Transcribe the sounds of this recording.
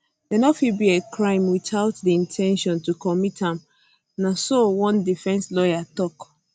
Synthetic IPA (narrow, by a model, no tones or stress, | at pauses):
dɛnɔfibiekɹãɪ̃mwiθaʊtdiĩntʰɛ̃nʃɔ̃ntukɔmithãm | nasowɔ̃ndifɛ̃nslɔjatɔk